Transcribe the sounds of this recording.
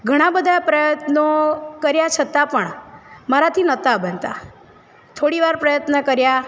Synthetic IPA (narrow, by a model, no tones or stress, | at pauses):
ɡʱəɽ̃ãbəd̪ʱapɾəjət̪nəkəɾjat͡ʃʰət̪apəɳmaɾat̪ʰinət̪abənt̪a̰ | t̪ʰoɽiʋaɾpɾəjət̪nəkəɾja